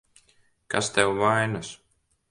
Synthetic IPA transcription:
kast̪ɛwvajnas

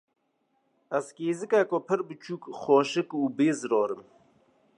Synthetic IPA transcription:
ɐzkeːzɨkakopʰɨɾbɨt͡ʃʰuːkxoːʃɨkuːbeːzɾoːɾɨm

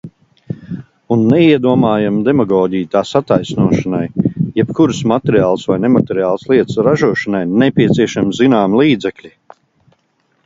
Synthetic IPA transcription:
unːɛiɛd̪uɔmaːjamd̪emaɡɔːɟijt̪aːsat̪ajsnuɔʃanajjɛpkuɾɨsmat̪eɾiaːlˠsvajnɛmat̪ɛɾiaːlˠslˠiɛt̪sɾaʒuɔʃanajnɛpʲiɛt̪siɛʃamzinaːmlˠiːd̪zɛklʲi

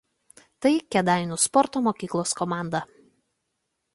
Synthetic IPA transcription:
t̪ɐɪkʲɛd̪ɑˑɪnʲuspɔɾt̪oːmoːkʲiːklˠoːskɔmɑˑnd̪ɐ

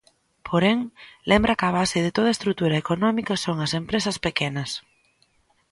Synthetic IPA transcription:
pʰoɾeŋlembɾakaβ̞aseðet̪oð̞ɐest̪ɾut̪uɾɐekonɔmikɐsoŋɐsempɾesɐspekenɐs

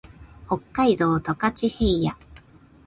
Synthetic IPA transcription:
ho̞kːaid̪o̞ːt̪okat͡ɕihe̞ija

